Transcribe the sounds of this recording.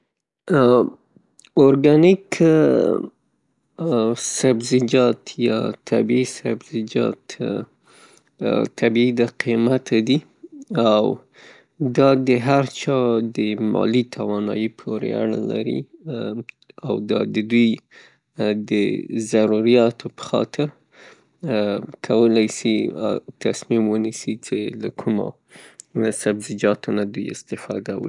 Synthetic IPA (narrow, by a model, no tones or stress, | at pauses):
oɾɡanik | sabzɪd͡ʒɑt̪ʰjɑ̰t̪ʰabiisabzɪd͡ʒɑ̰t̪ | t̪ʰabiid̪aqʰimat̪ʰad̪i | aw | d̪ɑd̪əɦaɾt͡ʃɑd̪əmɑ̰lit̪ʰawɑnɑjipʰoɾḛa̰ɽə̰la̰ɾḭ | awd̪ɑ̰d̪əd̪uj | d̪əzaɾuɾijɑt̪ʰopə̥xɑ̰t̪ʰɪɾ | kʰawəlajsia̰t̪asmimwənisit͡ʃelakʰʊma̰ | sabzɪd͡ʒɑt̪ʰonad̪ujɪ̰st̪ɪfɑ̰d̪aw̰